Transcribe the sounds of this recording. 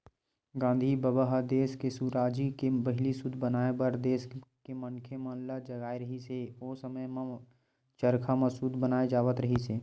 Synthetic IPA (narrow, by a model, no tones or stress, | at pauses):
ɡãːnd̪ʱibəbəɦəd̪eːskesuːɾaːd͡ʒikebɐɦɪlisʊd̪ʱbənaːebəɾd̪eːskemɐnkʰemãːnlad͡ʒɐɡaːeɾɐɦiseoːsəməjmã | t͡ʃəɾkʰaməsud̪ʱbənaːed͡ʒaːʋət̪ɾəɦiseː